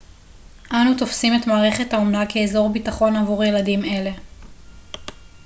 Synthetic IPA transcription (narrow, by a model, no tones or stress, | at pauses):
ʔanut̪o̞fsimet̪maːʁe̞χe̞thaomnakeːzo̞ʁbitaχo̞navuʁje̞ladime̞le̞